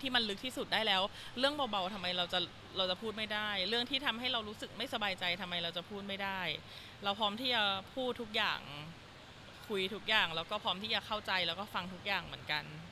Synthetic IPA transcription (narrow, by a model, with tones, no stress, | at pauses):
ŋʰiː˥˩ma˧nlɯ˦˥k̚t̪ʰiː˥˩su˨˩t̪̚daː˥˩jlɛː˦˥wɾɯ˥˩əŋbɔː˧ba˧˩wt̪ʰa˧mːa˧jɾa˧wt͡ɕa˨˩ | ɾa˧wt͡ɕa˨˩pʰuː˥˩t̪̚ma˥˩jdaː˥˩jɾɯ˥˩əŋt̪ʰiː˥˩t̪ʰa˧mɦa˥˩jɾa˧wɾuː˦˥sɯ˨˩k̚ma˥˩jsa˧baː˧jt͡ɕa˧jt̪ʰa˧mːa˧jɾa˧wt͡ɕa˨˩pʰuː˥˩t̪̚ma˥˩jdaː˥˩j | ɾa˧wpʰɾɔː˦˥mt̪ʰiː˥˩t͡ɕa˨˩pʰuː˥˩t̪ʰːu˦˥k̚ja̰ː˨˩ŋ | kʰu˧jt̪ʰu˦˥k̚jaː˨˩ŋlɛː˦˥wkɔː˥˩pʰɔː˦˥mt̪ʰiː˥˩a˨˩kʰa˥˩wt͡ɕa˧jlɛː˦˥wkɔː˥˩fa˧ŋt̪ʰu˦˥k̚jaː˨˩ŋmɯ˩˦ənka˧n